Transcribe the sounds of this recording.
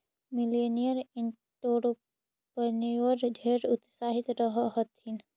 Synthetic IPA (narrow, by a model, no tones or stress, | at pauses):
milenijəɾiɳ | ʈoɾ | pənewəɾd̪ʱeɾʊt̪saɦit̪ɾəɦəɦət̪in